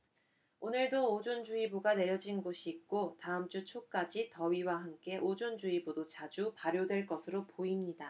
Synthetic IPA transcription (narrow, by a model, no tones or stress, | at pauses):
onɯɭdoːd͡ʑond͡ʑuibuɡane̞ɾjʌd͡ʑinɡoɕʰiːk̚k͈otaɯmt͡ɕ͈ut͡ɕʰok͈ad͡ʑitʌɥiwaɦamk͈e̞ʔod͡ʑond͡ʑuibudot͡ɕad͡ʑupaɾjodwe̞ɭk͈ʌsʰɯɾopoimɲida